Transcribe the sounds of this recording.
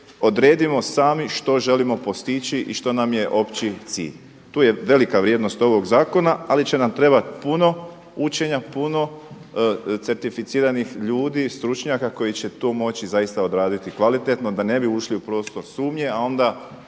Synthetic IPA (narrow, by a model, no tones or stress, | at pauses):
o̞d̪ɾe̞ːd̪imo̞saːmiʃt̪o̞ʒe̞limo̞po̞st̪it͡ɕiʔiʃt̪o̞namje̞ʔo̞pt͡ɕit̪sḭːʎ | t̪uːjeʋe̞likaʋɾjeːd̪no̞st̪o̞ʋo̞ɡzaːko̞naalit͡ɕe̞namt̪ɾe̞bat̪puno̞ | ut͡ɕe̞ɲapuno̞ | t̪se̞ɾt̪ifit̪siːɾanixʎuːd̪iːst̪ɾut͡ʃɲakako̞jit͡ɕe̞t̪oːmo̞t͡ɕizaist̪ao̞d̪ɾaːd̪it̪ikʋalit̪e̞t̪no̞d̪ane̞biuʃliupɾo̞ːst̪o̞ɾsuːmɲe̞ao̞nd̪a